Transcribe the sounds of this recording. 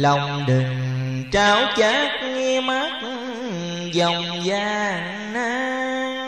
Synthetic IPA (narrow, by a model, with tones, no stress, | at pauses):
lɔ˨˩wŋ͡mɗɨ˨˩ŋt͡ɕaː˨˦wt͡ɕaː˨˦k̚ŋi˧ma˦˥k̚ | zɔ˨˩wŋ͡m | zaː˧˩n | na˦